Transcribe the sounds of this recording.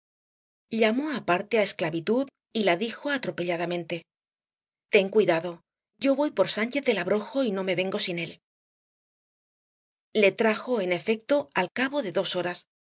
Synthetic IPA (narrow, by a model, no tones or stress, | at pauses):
ʎamo̞apaɾt̪eae̞sklaβit̪uð | ilaðixo̞at̪ɾo̞pe̞ʎaðamẽ̞nt̪e̞ | t̪e̞ŋkwiðaðo̞ | ɟ͡ʝo̞βo̞jpo̞ɾsant͡ʃe̞θðe̞laβɾo̞xo̞ino̞me̞βe̞ŋɡo̞sine̞l | le̞t̪ɾaxo̞e̞ne̞fe̞k̚t̪o̞alkaβo̞ðe̞ðo̞so̞ɾas